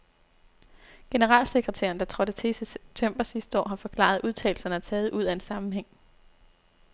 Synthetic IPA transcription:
ɡ̥e̝nəʁɑ̰̈ːlse̝ɡ̥ʁət͡sʰæ̰ɐn̩d̥ɑ̈t͡sʰʁɒ̽ɾət͡sʰeset͡sʰœm̰b̥ɐsisd̥ɒ̰ːɦɑ̈fɒ̽kʰlɑ̰̈ð̞ˠuð̞ˠt͡sʰɛ̰ːl̩sɐnəæt͡sʰɛːð̞̩ˠʔuð̞̰ˠæe̝nsɑ̈mm̩ɦeŋ̰

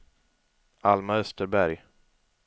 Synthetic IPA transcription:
almaœst̪əɾbæɾj

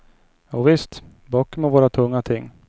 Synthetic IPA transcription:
jɑːvɪst̪ | bɑːkːɔmɔvoːɾat̪ʰɵŋːat̪ʰɪŋː

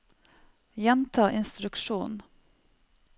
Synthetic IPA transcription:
jɛnt̪ʰɑːʔɪnst̪ɾʉkʃuːn

